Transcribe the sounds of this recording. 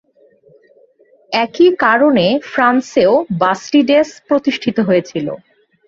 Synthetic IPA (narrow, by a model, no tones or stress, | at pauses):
ɛkikaɾonefɾanseobasʈiɖespɾot̪iʃʈʰit̪oɦojet͡ɕʰilo̰